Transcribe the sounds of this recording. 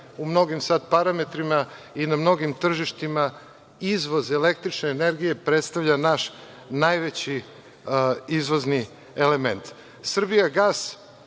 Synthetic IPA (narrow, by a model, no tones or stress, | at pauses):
umno̞ɡimsad̪paɾame̞t̪ɾima | inamno̞ɡimt̪r̩ʒiʃt̪ima | izʋo̞zelek̚t̪ɾit͡ʃneːne̞ɾɡije̞pɾet̪st̪aʋʎanaʃ | najʋet͡ɕi | izʋo̞zni | ele̞ment̪ | sr̩bijaɡaːs